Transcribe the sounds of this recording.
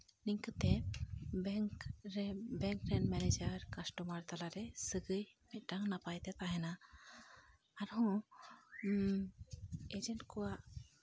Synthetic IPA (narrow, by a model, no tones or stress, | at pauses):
niŋkət̪e | bɛŋkɾɛnmɛned͡ʒaɾkasʈɔmaɾt̪alaɾɛsəɡɯjmɛt̪̚ˀʈaŋnapajt̪ɛt̪aɦɛna | ɾɦɔ̃ | ed͡ʒeɳʈkɔwaʔ